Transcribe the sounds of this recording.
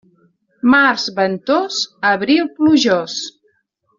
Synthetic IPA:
maɾzβənt̪ozəβɾilˠpluʒɔs

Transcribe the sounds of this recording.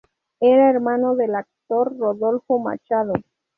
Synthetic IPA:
eɾaeɾmanoðelak̚t̪oɾːoðolfoma̰t͡ʃaðo

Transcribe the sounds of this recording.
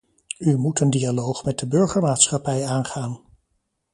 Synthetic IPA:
ymutəndialowχmɛt̚dəbɵɹχəɹmaːtsχɑpɛjaːnχaːn

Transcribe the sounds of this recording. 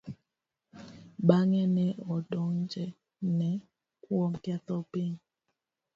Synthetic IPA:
ɓaŋɛnɛɔdɔnd͡ʒɛ | nɛ | kwɔmkɛt̪ɔpiŋ

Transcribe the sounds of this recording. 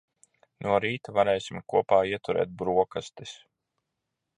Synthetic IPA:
nuɔɾiːt̪avaɾɛːjsʲimkuɔpaːiɛt̪uɾɛ̰ːt̪̚bɾuɔkast̪is

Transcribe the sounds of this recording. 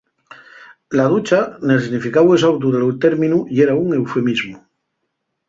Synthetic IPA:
laðut͡ʃanesnifikawes̬awt̪̬uðelowt̪eɾmĩnuieɾauŋe̞wfe̞mizmu

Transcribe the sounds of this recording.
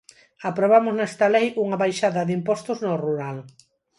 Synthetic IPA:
apɾoβ̞amʊznɛst̪ɐlɛjuŋɐβajʃaðɐðimpɔst̪ʊznoruɾal

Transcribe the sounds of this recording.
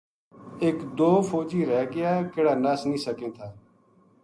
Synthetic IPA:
eːkd̪oːfoːd͡ʒiːɾɛːɡɪjaːkɪɽaːnaːsnĩːsəkẽːt̪ʰaː

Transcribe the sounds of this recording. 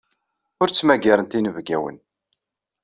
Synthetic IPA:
ʊɾt͡sːmæɡaɾənt̪inəvɡæwə̰n

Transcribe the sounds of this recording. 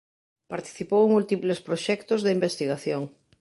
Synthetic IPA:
paɾt̪i̥θipoweŋmult̪iplespɾoʃɛkt̪ozðɪimbest̪iɣaθjoŋ

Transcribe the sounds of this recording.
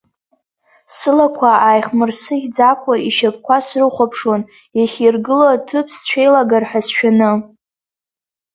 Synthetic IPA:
sɨlakʷʰaajχmɨrsɨɡʲd͡zakʷʰʼaiʃap̚ʰkʷasrɨχʷapʰʂon | jaχʲirɡɨlotʰɨpʰst͡ɕʷʰejlaɡarħʷᶣasʃᶣanɨ

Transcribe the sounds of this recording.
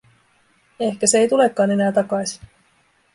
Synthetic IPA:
e̞hkæseejt̪ule̞kːɑːne̞næːt̪ɑkɑjsi̥

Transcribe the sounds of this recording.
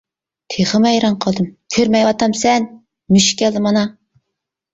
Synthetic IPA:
t̪ʰeχɨmɛjɾɑŋqʰɑlˠd̪ɨmkʲʰøɾmɛjwɑt̪ɑmsɛn | myʃkʲɛld̪ɨmɑnɑ

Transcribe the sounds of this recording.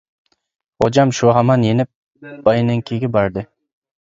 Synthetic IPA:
od͡ʒamʃoɦamɑnjenɪp̚ | b̥ɑjnɪŋkʲʰeɡʲɪbɑɾd̪ɪ

